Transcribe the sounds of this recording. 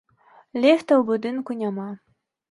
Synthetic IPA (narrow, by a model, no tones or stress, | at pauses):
lʲext̪ɐwbud̪ɨnkunʲamɑ